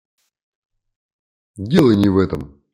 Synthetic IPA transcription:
dʲelˠəjnʲɪvɛt̪əm

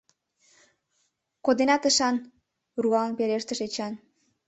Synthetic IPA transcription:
kod̪enɑt̪əʃɑn | ruɑnpeɾeʃt̪əʃet͡ɕɑn

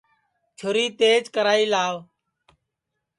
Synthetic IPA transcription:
t͡ʃʰʊɾiːt̪eːd͡ʒkəɾaːiːlaːʋ

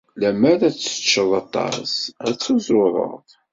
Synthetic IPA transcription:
læmæɾæt͡sːə̥t͡ʃːəðˤɑt̪ˤːɑ̰sæt͡sːuzˤɾoɾˤə̰ʁðˤ

